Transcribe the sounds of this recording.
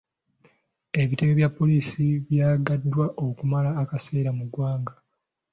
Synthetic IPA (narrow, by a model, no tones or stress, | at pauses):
e̞βite̞weβjapːo̞liːsiβjaːɡadːwaʔo̞kumalaːkase̞ːɾamuɡwaːŋɡa